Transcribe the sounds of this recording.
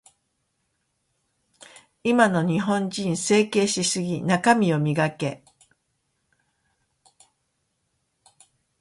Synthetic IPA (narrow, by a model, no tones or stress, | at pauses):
imano̞ɲ̟iɦõ̞ɲd͡ʑĩɰ̃se̞ːke̞ːɕisɨɡʲinakamʲio̞mʲiɡake̞